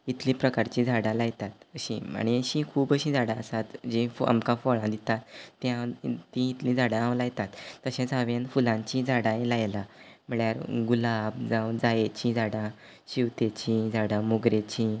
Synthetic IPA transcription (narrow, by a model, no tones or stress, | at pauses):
it̪lĩpɾəkaɾt͡ɕĩd͡zʱaɽãlajt̪at̪əɕḭ̃a̰ɽ̃iəɕĩkʰuːbəɕĩd͡zʱaɽãəsat̪d͡ʑĩfa̰mkãfɔɭãd̪it̪at̪ːjãt̪ĩit̪lĩd͡zʱaɽãawlajt̪at̪ːəɕẽd͡zaʋenfulãɲt͡ɕĩd͡zʱaɽãjĩlajlam̤əɭjaɾɡulabd͡zawd͡zajet͡ɕĩd͡zʱaɽã | ɕiʋt̪et͡ɕĩd͡zʱaɽãmoɡɾet͡ɕĩ